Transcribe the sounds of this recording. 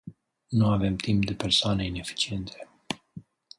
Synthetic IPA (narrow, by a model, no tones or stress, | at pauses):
nuave̞mt̪imp̚d̪e̞peɾsoaneine̞fi̥t͡ʃie̞nt̪ʰe̥